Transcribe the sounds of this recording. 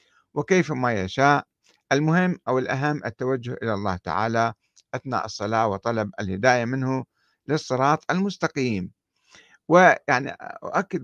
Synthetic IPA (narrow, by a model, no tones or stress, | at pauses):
wɪkeːfmajaʃaːʔ | ɪlmʊɦɪmːʔawɪlʔaɦamːʔɪt̪ːawad͡ʒːʊhʔɪlalˤːɑ̰ːht̪a̰ʕa̰ːla | ʔaθna̰ːʔɨsˤːɑlɑːwɨt̪ˤɑlɑbɪlhɪd̪aːjamɪnhʊ | lɨsˤːɨɾˤɑːt̪ˤɪlmʊst̪aqiːm | wɪjaʕnḭʔʊ̰ʔakːɪd̪